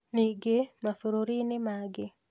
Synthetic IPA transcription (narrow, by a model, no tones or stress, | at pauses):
niɡemafoɾoɾinɪmaɡɪ